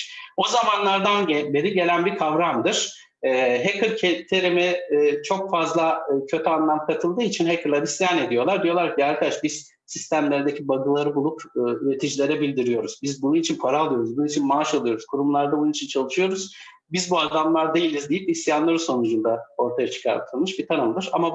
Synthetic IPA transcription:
o̞zamanlˠaɾd̪anbeɾiɟe̞lʲænbikʰavɾamd̪ɯɾ̥ː | ɦekɯɾʲcʰet̪ʰe̞ɾemɛt͡ʃʰo̞kfazlˠacʰø̞t̪ʰyanlˠamkʰat̪ʰɯlˠd̪ɯːit͡ʃʰinɦekʰɯlad̪isijane̞d̪ijo̞lˠaɾd̪ijo̞lˠaɾcʰiaɾkʰad̪aʃbiz̥ | sist̪ʰæmlʲeɾd̪ecʰibaɡɯlˠaɾɯbulˠupːyɾe̞t̪ʰid͡ʒilʲe̞ɾɛbilʲd̪iɾijo̞ɾuzbizbununit͡ʃʰinpʰaɾaːlˠɯjo̞ɾuzbununit͡ʃʰinmaːʃolˠujo̞ɾuzkʰuɾumlˠaɾd̪abununit͡ʃʰint͡ʃʰalˠɯʃɯjo̞ɾuz̥ | bizbuad̪amlˠaɾd̪e̞jilʲizd̪ijipisjanlˠaɾɯso̞nud͡ʒund̪ao̞ɾt̪ʰajat͡ʃʰɯ̥kʰa̰ɾt̪ʰɯlˠmɯʃbit̪ʰanɯmd̪ɯɾama

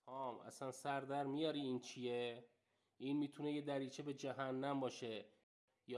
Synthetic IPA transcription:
ɒːmʔæ̰sænsæɾd̪æɾmijɒːɾiiːnt͡ʃʰije | ʔinmiːt̪ʰune̞jed̪æɾiːt͡ʃʰebe̞d͡ʒæɦænːæmbɒːʃe̞ | j

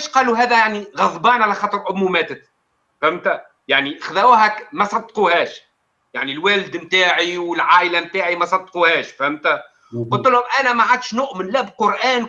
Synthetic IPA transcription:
ʃqɑːluɦæːðæjaʕniɣɑðˤbɑːnʕalæxɑːt̪ˤɾˤʔʊmumæːt̪ət̪ | fhæmt̪æ | jaʕniʔxðæwuɦækmæsˤɑd̪ːquːhæːʃ | jaʕnilwæːld̪mt̪aːʕiwɪlʕaːʔɪlæmt̪aːʕimæsˤɑd̪ːquhæːʃfhæmt̪æ | qʊlt̪əlhʊmʔænæmaʕad̪ʃnʊʔmnlæbqoɾʔæːn

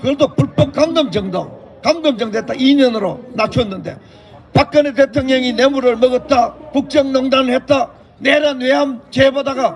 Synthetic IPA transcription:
kɯɾedopuɭp͈ʌp̚k͈aŋɡɯmd͡ʑʌŋdʌ | kaŋɡɯmd͡ʑʌŋdoɦet͈aiɲʌnɯɾonat͡ɕʰunːɯnde̞̰ | pak͈̚ɯnet̬etʰoŋɲʌŋinemuɾɯɭmʌɡʌt̚t͈akuk̚t͡ɕ͈ʌŋnʌŋdanɯɭhet̚t͈a | neɾanweɦamt͡ɕebadaɡa

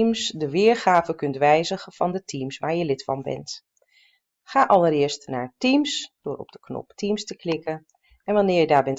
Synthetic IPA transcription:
msdəʋɪːɹχaːvəkɵntʋɛjzəχəv̥ɑndətʰimsʋaːɹjəlɪtfɑ̰nbɛ̰nt | χaːʔɑləɾɪːɹstna̰ːɹtimsd̥ʊːɹɔ̰b̚d̥əknɔ̰ptimstəklɪkən | ɛnʋɑnɪːɹjədaːɹbɛnt

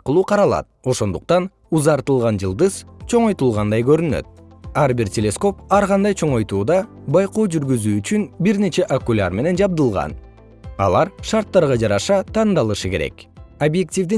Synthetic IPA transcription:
t̪qəlˠuːqʰɑɾɑlˠɑ̰t̪̚o̞ʃo̞nd̪uq̚t̪ɑn | uzɑɾt̪ɯlˠʁɑnd͡ʒɯlˠd̪ɯz̥t͡ʃʰo̞ɴojt̪ulˠʁɑnd̪ɑjɡø̞ɾynø̰t̪̚ɑɾbiɾtʲe̞lʲe̞sko̞pɑɾʁɑnd̪ɑjt͡ʃʰo̞ɴo̞jt̪uːd̪ɑbɑjqo̞ːd͡ʒyɾɡyzyːyt͡ʃynbiɾne̞t͡ʃe̞ʔokulʲa̰ɾme̞ne̞nd͡ʒɑb̚d̪ɯlˠʁɑ̰n | ɑ̰lˠɑɾʃɑɾt̪ːɑɾʁɑd͡ʒɑɾɑʃɑt̪ʰɑnd̪ɑlˠɯʃɯke̞ɾe̞̰kobje̞k̚tʲivd̪i

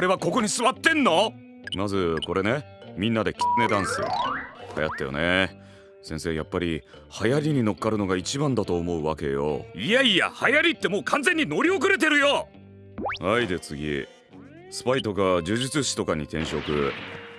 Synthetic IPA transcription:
koɾe̞β̞ako̞ko̞ɲ̟isɨβat̪ːẽ̞nːo̞ | mazɨko̞ɾe̞ne̞mʲĩnːad̪e̞kʲi̥t͡sɨne̞d̪ãɰ̃sḛha̰ja̰t̪ːajo̞̰ne | sẽ̞se̞ːjapːaɾʲi | hajaɾʲiɲ̟ino̞kːaɾɯ̟no̞ɡait͡ɕibãnd̪at̪o̞ːmo̞ɯ̟βake̞̰jo̞̰ijaia̰hajaɾʲit̪ːe̞mo̞ːkʰãnze̞ɲ̟ːino̞ɾʲio̞k̬ɯ̟ɾe̞t̪̬e̞ɾɯ̟jo | haid̪e̞t͡sɨɡʲḭ | sɨ̥pait̪o̞kad͡ʑɨːʑit͡sɨɕi̥t̪o̞kaɲ̟it̪ẽ̞ɰ̃ɕo̞kɯ̟̰

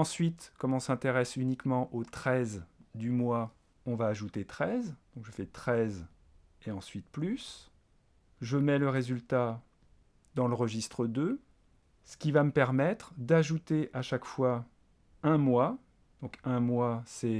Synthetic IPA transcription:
ɑ̃sɥit̪kɔmɔ̃sɛ̃t̪eʁɛsynikmɑ̃ʔot̪χɛzd̪ymwa | ɔ̃vaːʒut̪et̪χɛzd̪ɔ̃kʒəfɛt̪χɛz | eɑ̃sɥit̪plys | ʒəmɛləʁezylt̪a | d̪ɑ̃ləʁəʒist̪χəd̪ø | sə̥kʲivaməpɛʁmɛt̪χd̪aʒut̪eʔaʃakfwa | ɛ̃mwa | d̪̥ɔ̃kɛ̃mwasɛ

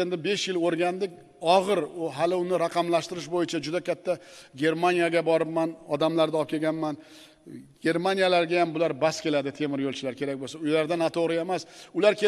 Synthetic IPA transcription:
end̪ɪbe̞ʃjɪloɾɡʲand̪ɪkʲ | ɒʁɨɾʊɦalɪʊnɪɾaqʰɑmlaʃt̪ɪɾɪʃbojɪt͡ʃʰad͡ʒʊd̪akʲʰat̪ʰːaɡʲe̞ɾmanijaɡʲabɒɾɪp̚manɒd̪amlaɾd̪aɒp̚kʲe̞ɡʲanman | ɡʲe̞ɾmanijalaɾɡʲajambʊlaɾbaskʲe̞lad̪ɪt̪ʰe̞mɪɾjolˠt͡ʃʰɪlaɾkʲʰe̞ɾakʲbolsaʊjlaɾd̪anat̪ʰoʁɾɪe̞masʊlaɾkʲe

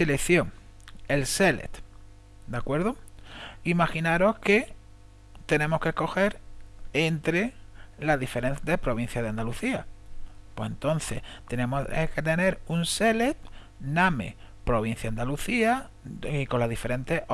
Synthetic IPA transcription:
selekθjoŋelse̞lḛt̪ | d̪akwe̞ɾðoimaxinaɾo̞hke̞ | t̪e̞nẽ̞mo̞hke̞hko̞xe̞ɾent̪ɾe̞laðife̞ɾẽnt̪epɾo̞β̞in̟θjaðeand̪aluθiapwesent̪o̞n̟θe̞̰ht̪enemoeket̪ene̞ɾunse̞let̪̚ | namḛpɾo̞βin̟θjaand̪aluθia | iko̞laðife̞ɾẽ̞nt̪e

